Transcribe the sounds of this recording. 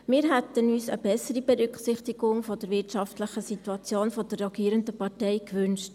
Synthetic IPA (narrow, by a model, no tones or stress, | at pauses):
mɪːɾɦæt̪ənyːsə̰bɛsəɾibɛɾʏkχsɪχtɪɡʊŋfɔd̥əɾvɪtʃɑftləχəsituɑt͡sjoːnfɔd̥ərːɛɡiːɾəndəpɑtɛɪkʋʉnʃt